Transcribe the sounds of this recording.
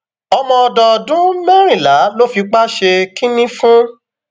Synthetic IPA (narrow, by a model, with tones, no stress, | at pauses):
ɔ˧mɔ̃˧ɔ˧dɔ˨dũ˦mɛ˦ɾ̃ĩ˦˨la˨˦lo˦fi˧k͡pa˦ʃe˧ki˦nĩ˦fũ˦